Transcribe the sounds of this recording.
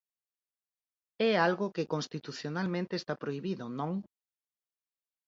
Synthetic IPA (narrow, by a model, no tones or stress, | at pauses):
ɛalɣʊkɪkõnst̪it̪uθjonalmẽnt̪eːst̪apɾoiβiðonõŋ